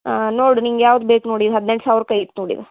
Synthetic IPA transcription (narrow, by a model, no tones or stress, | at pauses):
noːɽuniŋɡjaːʋd̪beːknoːɽid̪eɦɐd̪neɳʈsaːʋɾkɐjit̪ːnoːɽḭd̪e